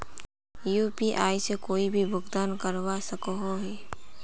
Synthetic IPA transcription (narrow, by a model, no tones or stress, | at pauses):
jupiʔaːisekoːibʱibʱʊɡd̪aːnkəɾwasəkoɦoɦɛ